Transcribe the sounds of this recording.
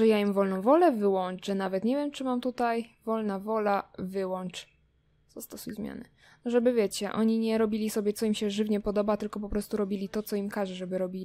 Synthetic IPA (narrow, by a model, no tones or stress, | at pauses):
ɛjaimvɔlnɔ̃w̃vɔlɛvɘwɔnt͡ʂɛnavɛt̪ɲɛvʲjɛmt͡ʂɘmamt̪ut̪ajvɔlnavɔlavɘwɔnt͡ʂ | z̥ast̪ɔsujzmʲja̰nɛ̰ | ʐɛbɘvʲjɛt͡ɕɛʔɔ̰ɲiɲɛɾɔbʲilʲisɔbʲjɛt̪sɔimɕɛʐɘvɲɛpɔd̪ɔbat̪ɘlkɔpɔpɾɔst̪uɾɔbʲilʲit̪ɔt̪sɔimkaʐɛʐɛbɘɾɔbʲilʲi